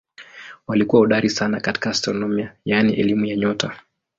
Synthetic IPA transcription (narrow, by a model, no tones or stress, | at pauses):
walikuwauɗaɾisanakati̥kaːstɾɔnɔmiajaniʔɛlimujaɲɔta